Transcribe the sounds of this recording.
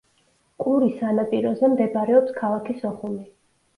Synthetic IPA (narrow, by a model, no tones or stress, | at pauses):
kʼuɾisanapʼiɾɔzɛmd̪ɛbɾɛɔpskʰalˠakʰisɔχumi